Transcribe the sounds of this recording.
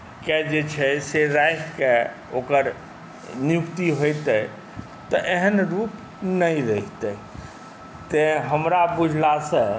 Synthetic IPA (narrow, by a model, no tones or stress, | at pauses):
kɛd͡ʒet͡ʃʰɛseɾajkke | okəɾ | njukt̪iɦojt̪ə | t̪ɔʔeɦənɾup | nəjɾəɦit̪ə | t̪eɦəmɾabud͡ʒʱlasə̃